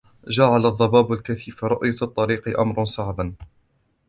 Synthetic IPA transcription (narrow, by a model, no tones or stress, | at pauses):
d͡ʒaʕalaðˤːɑbaːbalkaθiːfɾˤʊʔjat̪ˤːɑɾiːqɨʔa̰mɾˤɑnsˤaʕban